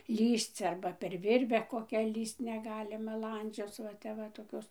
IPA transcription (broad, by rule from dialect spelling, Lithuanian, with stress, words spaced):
ˈlʲiːst͡s ˈɐrbɐ pʲɛr ˈʋʲɪrʲʋʲɛ koːˈkʲæː ˈlʲiːst nʲɛˈɡɑːlʲɪmɐ ˈlˠɐnʲd͡ʒʲoːt͡s ʋɐ ˈtʲɛp ʋɐ toːˈkʲoːs